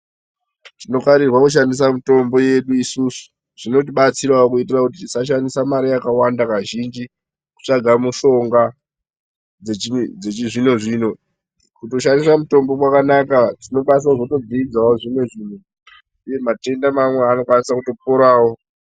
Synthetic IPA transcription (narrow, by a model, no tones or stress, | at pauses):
tino̞kaɾirwakuʃ̬andis̬amuto̞mbo̞je̞ɗuisusu̥ | ʐ̥ino̞t̬iɓat͡siɾaokuitirakutisaʃ̬andisamaɾijakawandakaʒind͡ʒi | ku̥t͡ʂaɡʱamuʃo̞ŋɡa | d͡zeid͡zeiʐino̞ʐiːno̞ | kuto̞ʃandisamuto̞mbo̞kwakanakatino̞ɓas̬aʐoto̞d͡ziid͡zawoʐimwe̞ʐiːn̤o | uje̞mate̞ndamamweano̞kwanisakuto̞p̚oɾaːwo̞